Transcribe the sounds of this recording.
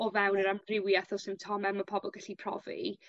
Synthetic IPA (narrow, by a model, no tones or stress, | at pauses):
ɔvɛwnəɾampʰrɪwjaθɔsɪmtʰɔmɛmapʰɔbɔlˠɡaɬipʰr̥ɔ̰vḭ